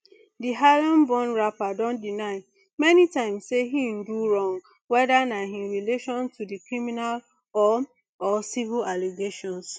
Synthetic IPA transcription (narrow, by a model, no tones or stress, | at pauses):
diɦalɔ̃nbɔ̃nɹapadɔ̃ndinaɪ | mɛnitãɪ̃msːeɦĩn̩duɹɔ̃ŋ | wɛdanaɦĩɹileʃɔ̃ntudikɹiminal | ɔ | ɔsivilaliɡeʃɔ̃ns